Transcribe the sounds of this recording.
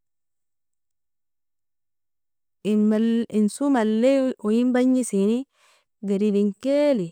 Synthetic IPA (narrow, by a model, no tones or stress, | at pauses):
insumalːeujimbaɲːisini | ɡeɾidiŋkeli